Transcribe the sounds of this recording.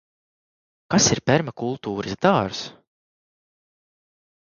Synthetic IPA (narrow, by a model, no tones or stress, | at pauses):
kasiɾpʲɛɾmakulˠt̪uːɾizd̪aːɾs